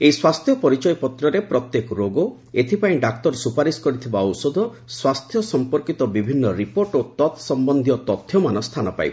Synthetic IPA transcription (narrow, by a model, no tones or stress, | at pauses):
ejswast̪ʰjɔpɔɾit͡ʃɔjpɔt̪ɾɔɾepɾɔt̪jekɔɾoɡɔ | et̪ʰipaĩɖakt̪ɔɾsupaɾiskɔɾit̪ʰibaɔwsɔd̪ʱɔ | swast̪ʰjɔsɔmpɔɾkit̪ɔbibʱinːɔɾipoɾʈot̪ɔt̪ʰsɔmbɔnd̪ʱijɔt̪ɔt̪ʰjɔmanɔst̪ʰanɔpa̰jb